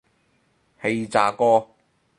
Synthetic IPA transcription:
he˧jt͡saː˨˩kɔː˥

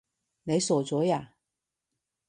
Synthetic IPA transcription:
ne˨˧jso˨˩t͡sɔ˨˥˦ja˨

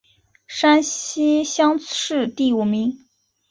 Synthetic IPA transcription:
ʂa˥nɕi˥ɕjɑ˥ŋɻ̩˥˧t̪i˥˩u˨˩mi˧˥ŋ

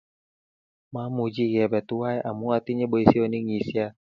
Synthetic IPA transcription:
mã˨˦mu˧˨˦d͡ʒi˦˨ɣɛ˨bɛ˨t̪u˦wa˦ɛ˦ʔa˨mũ˦a˧t̪i˦ɲe˦bo˨˧i˧˨si˦o˨˧˦nĩ˦ŋi˨˦si˦a˧

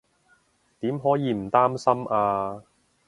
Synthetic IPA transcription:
t̪iː˨˥mɦɔː˨˥jiː˨˧m̩˨˩t̪aː˥msɐ˥maː˧

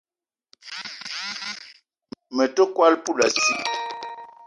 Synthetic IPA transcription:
mə˨to˦kwa˦lpu˦˨la˨si˦

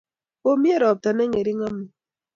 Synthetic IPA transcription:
o˦mi˦e˦ɾɔ˨p̚ta˨nɛ˦ŋe˨ɾi˦ŋa˦mi˨

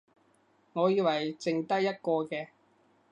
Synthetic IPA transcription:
ŋɔː˨˧jiː˧wɐ˨˩jt͡sɪ˧ŋt̪ɐ˥jːɐ˥t̚kɔː˧kɛː˧

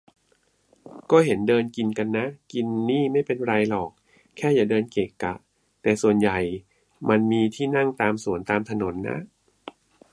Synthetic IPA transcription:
kɔː˥˩ɦe˩˦ndɤː˧nki˧nka˧nːa˦˥ki˧nːiː˥˩ma˥˩jpe˧nɾa˧jlɔː˨˩k̚ | kʰːɛː˥˩jaː˨˩dɤː˧nkeː˨˩kːa̰˨˩ | t̪ɛː˨˩su˨˩ənja˨˩j | ma˧nmiː˧t̪ʰiː˥˩na˥˩ŋt̪aː˧msu˨˩˦ənt̪aː˧mt̪ʰa˧no˩˦nːa̰˦˥ʔ

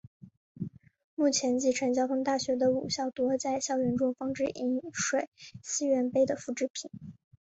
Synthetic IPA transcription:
mu˥˩t͡ɕʰjɛ˧˥nt͡ɕi˥˩ʈ͡ʂʰə˧˥nt͡ɕjɑ˥ʊt̪ʰʊ˥ŋt̪a˥˩ɕɥɛ˧˥d̪ə˧ṵ˨˩ɕjɑ˥˩ʊt̪wɔ˧˥t͡sa˥˧ɪɕjɑ˥˩ʊɥɛ˧˥nʈ͡ʂʊ˥ŋfɑ˥ŋʈ͡ʂɻ̩˥˩ʔi˧˥nʂwe˨˩˦ɪɕi˥ɥɛ˧˥npe˥ɪd̪ə˨fu˧˥˩ʈ͡ʂɻ̩˥˩pʰi˨˩˦n

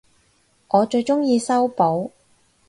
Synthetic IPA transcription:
ŋʔɔː˨˧t͡ʃɵ˧ɥt͡ʃʊ˥ŋjiː˧sɐ˥wpo˨˥w

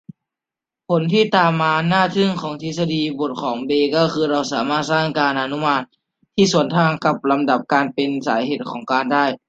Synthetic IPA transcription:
pʰo˩˦nt̪ʰiː˥˩t̪aː˨mːaː˧naː˥˩t̪ʰɯ˥˩ŋkʰɔː˩˦ŋt̪ʰi˧˥sa˧diː˧bo˨˩t̪̚kʰɔː˩˦ŋbeː˧kɔː˥˩kʰɯː˧ɾa˧˩wsaː˩˦maː˥˩t̪̚saː˥˩ŋkaː˧nʔa˧nu˧˥˨maː˧˩t̪̚ | t̪ʰiː˥˩su˩˦ənt̪ʰaː˧ŋka˧˦p̚la˧mda˨˩p̚kaː˧npe˧nsa̰ː˩˦jɦeː˨˩t̪̚kʰɔː˩˦ŋkaː˧ndaː˥˩j

